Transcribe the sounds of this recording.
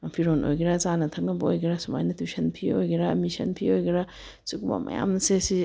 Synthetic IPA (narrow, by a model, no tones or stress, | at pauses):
pʰiɾonʔo̰jɡiɾazanɐtʰɐk̚nɐbɐojɡiɾasuma̰jnɐtusɐnpʰiojɡiɾamisɐ̰npʰiojɡiɾa | sukuma̰mɐ̰ja̰mnɐsesi